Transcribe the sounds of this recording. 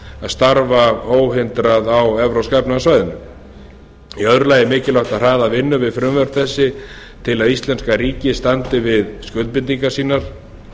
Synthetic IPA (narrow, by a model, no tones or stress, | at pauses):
aðst̪aɾvaoːwɦɪnt̪ɾaðawɛvɾoskajpnasvaːjðɪnʏm | iœðɾʏlaːjðɪmɪːcɪlawht̪aðr̥aːðavɪnːʏvɪðfɾʏmvɛɾp̪θɛsːɪ | t̪ʰɪlaðist̪lɛnskaɾiːcɪst̪ant̪ɪvɪðskʏlt̪̚pɪniŋkasiːnaɾ̥